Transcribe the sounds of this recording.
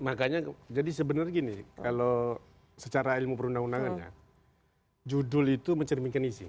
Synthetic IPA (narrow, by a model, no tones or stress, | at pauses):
makaɲad͡ʒadisəbənərɡinikalo | sət͡ʃaɾailmupəɾundaŋundaŋanja̰ | d͡ʒudʊlit̪uməɲt͡ʃərmiŋkanisḭ